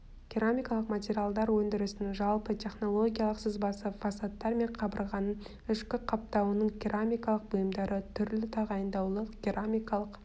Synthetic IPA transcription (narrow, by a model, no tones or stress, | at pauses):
kʲiɾamʲijkɑlˠəqmat̪ʲeɾʲijalˠd̪ɑɾwɵnd̪ɪɾɪsɪnɪʒɑlˠpət̪ʲʰe̞χno̞lˠo̞ɡʲijalˠəqsəzbɑsəfɑsat̪ːɑɾme̞ɴqʰɑbə̰ɾʁɑnə | ʏʃkʲɪqʰɑp̚t̪ɑwənəɴkʲʰiɾʔamʲijkɑlˠəq̚bʊjəmd̪ɑɾət̪ʰʏɾlɪt̪ʰɑʁɑjənd̪ɑwlˠəkʲiɾamʲijkɑlˠəq